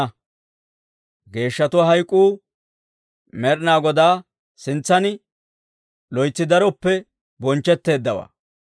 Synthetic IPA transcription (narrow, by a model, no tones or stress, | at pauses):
ɡe̞ːʃːɐt̪ʊwaɦɐjkʼːuː | mɛɾnaːɡɔd̪aː | sɪnt͡sːɐnɪ | lɔjt͡sːɪd̪ɐɾɔpːɛ | bɔnt͡ʃːɛt̪ːe̞ːd̪ːɐwa̰ː